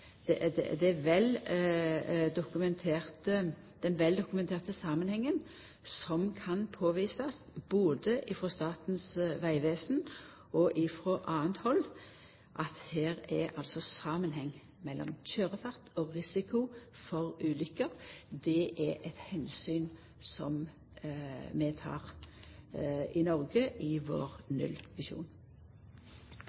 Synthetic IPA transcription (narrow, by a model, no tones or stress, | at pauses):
d̪ɛd̪ɛ̰d̪ɛʋɛl | d̪ʊkʉmɛnt̪ʰeːʁt̪ə | d̪̥ɛnʋɛld̪ʊkʉmɛnt̪ʰeːʁt̪əsɑːmənhɛŋːən | sɔmkʰɑnpʰoːʋiːsɑsb̥oːd̪əʔɪfɾɔst̪ɑːt̪n̩sʋæɪʋeːsn | ɔʔɪfɾɔʔɑːənt̪hɔl | ʔɑt̪hæːɾɛɑlsɔsɑːmənhɛŋː | mɛlːɔ̰mçøːʁəfɑʁt̪ʰɔːʁɪsɪkʰʊ | fɔʁʉːlʏkːəʁd̪ɛʔɛʔɛt̪hɛnsyːn | sɔ̰m | mɛt̪ʰɑ̰ːʁ | ɪnɔʁɡəʔɪʋo̰ːʁnʉ̰lʋɪʃṵːn